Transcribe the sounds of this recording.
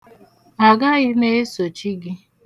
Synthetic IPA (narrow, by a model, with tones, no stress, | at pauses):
a˨ɡa˦ɣɪ˦ne˦e˦so˨t͡ʃi˦ɡɪ˦